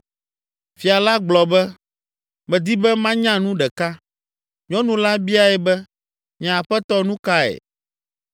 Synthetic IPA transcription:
fi˨a˨la˦ɡ͡blɔ˨bɛ˦ | mɛ̃˨d̪i˦bɛ˦mã˦ɲã˦nũ˦ɖɛ˨ka˦ | ɲɔ̃˦nũ˨la˦bi˦a˨ɛ˨bɛ˦ | mĩ˨a˨ɸɛ˦t̪ɔ˦nũ˦ka˦ɛ̰˨

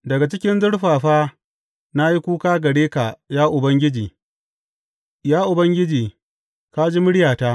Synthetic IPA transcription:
dɐ˨ɡa˨t͡ʃɪ˦kʲɪ˦nzʊ˦ɽɸaː˨ɸaː˦ | na˦ji˦kʷuː˦kaː˦ɡɐ˨ɽeː˦ka˨jaː˦ʔʊ˨bɐ˦ŋɡʲɪ˦d͡ʒiː˨ | jaː˦ʔʊ˨bɐ˦ŋɡʲɪ˦d͡ʒiː˨ | ka˦d͡ʒi˦mʊ˦ɽɪ˦jaː˨ta˦

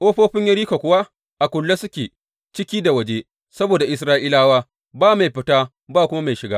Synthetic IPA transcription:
ʔoː˦ɸoː˦ɸɪ˦ɲjɐ˦ɾiː˦ka˨kʷʊ˦wa˦ | ʔa˨kʷʊ˨lːa˦sʊ˦kʲeː˨ | t͡ʃɪ˦kʲiː˦da˨wɐ˨d͡ʒeː˦ | sɐ˦boː˨da˨ʔɪ˨sɾaː˦ʔiː˦laː˦waː˦ | baː˦ma˨jɸɪ˦taː˦ | baː˦˨kʷʊ˦ma˦ma˨jʃɪ˨ɡaː˦

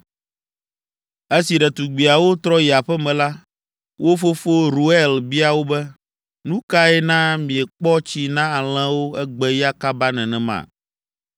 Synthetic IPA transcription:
e˦si˨ɖɛ˨t̪u˨ɡ͡bi˨a˨wo˦t̪ɾɔ˦ji˨a˨ɸɛ˦mɛ̃˨la˦ | wo˦fo˦fo˦ɾu˦ɛ˦lbi˦a˨wo˦bɛ˦ | nũ˦ka˦ɛ˦nã˦mĩ˨ɛ˨k͡pɔ˦t͡ɕi˦nã˦a˨l̃ɛ̃˦wo˦ɛ˦ɡ͡bɛ˦ja˦ka˦ba˦nɛ̃˨nɛ̃˨mã̰˨

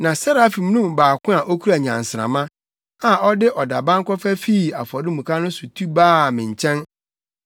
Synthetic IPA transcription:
nã˨sa˦ɾa˨a˦fi˨m˦nũ˦mbaː˨kʊ̃˦a˨ʔo˦kʰu˦ɾa˨ɲã̰˨n˨sɾã̰˨mã˦ | a˨ɔ˦dɪ˦ʔɔ˨da˨bã˦ŋ̩˦kɔ˦fæ˦fi˦˨a˨fɔ˨ɾɪ˦mũ˨kʰa˦nʊ̃˦sʊ˨tʰu˦baː˦˨mɪ̃˨ɲ˨t͡ɕʰɛ̃˦n

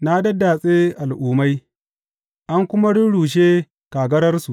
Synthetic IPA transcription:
na˦dɐ˦da˨sʼeː˦ʔa˨lʔuː˨ma˦j | ʔa˦ŋkʷʊ˦ma˦ɽʊ˦ɽuː˨ʃ̬eː˦ | kaː˨ɡɐ˦ɾɐ˦rsu˨ʔ

